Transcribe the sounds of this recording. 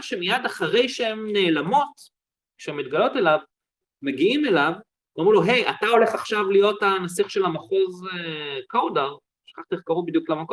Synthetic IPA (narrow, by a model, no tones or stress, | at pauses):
ʃemijadaχaʁe̞jʃeemne̞ːlamo̞t | kʃeemːit̪̚ɡalo̞te̞lav | meɡiime̞lav | amʁiloɦe̞ja̰tao̞le̞χaχʃavlijo̞tanas̬iχʃe̞lamaχo̞zekawdaʁ | ʃχaχtiχkaʁubid̪juklamako